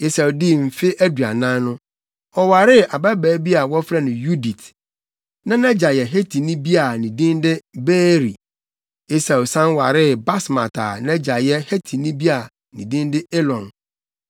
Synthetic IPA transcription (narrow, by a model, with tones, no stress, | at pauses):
e˦sa˨wdi˦m̩˨fɪ˦ʔæ˦du˨a̰˨nã˦nʊ̃˦ | ɔ˨wa˨ɾɪ˦ʔa˨ba˦bæː˨˦bi˦a˨wɔ˦fɾɛ˦nʊ̃˨ju˦di˨t | nã˦nɛ˦d͡ʑa˨jɛ˨ɦe˦tʰi˨nĩ˦bi˦a˨nĩ˨dĩ˦ndɪ˦beː˦ɾi˨ | e˦sa˨wsã˦nwa˨ɾɪ˦ba˦smã̰˨tʰa̰˨nɛ̃˦d͡ʑa˨jɛ˦he˦tʰi˨nĩ˦bi˦a˨ | nĩ˨dĩ˦ndɪ˦e˦lɔ̃˨n